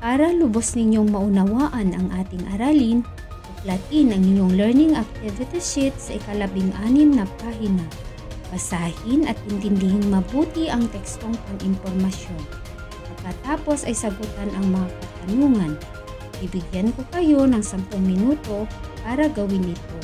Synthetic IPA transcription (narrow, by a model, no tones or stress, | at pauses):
paːɾɐlʊbosnɪɲo̞ŋmɐʔʊnɐwaːʔɐnʔɐŋʔaːt̪ɪŋʔɐɾaːlɪn | ɐplɐt̪ɪnɐŋɪɲoŋlɛɹnɪŋɐk̚t̪ɪvɪt̪ɪʃɪt̪̚sɐʔɪkɐlɐbɪŋʔaːnɪmnɐpaːhɪnɐ | bɐsaːhɪnʔɐt̪̚ɪnt̪ɪnd̪ɪhɪnmɐbuːt̪iʔɐŋt̪ɛkst̪oŋpɐŋɪmpoɾmɐsjo̞n | pɐɡ̚kːɐt̪aːpo̞sɐjsɐɡʊt̪anʔɐŋmɐŋakɐt̪ɐnuːŋɐn | bibɪɡjanko̞kɐjo̞nɐŋsɐmpoŋmɪnuːt̪o̞paːɾɐɡɐwɪnːɪt̪o̞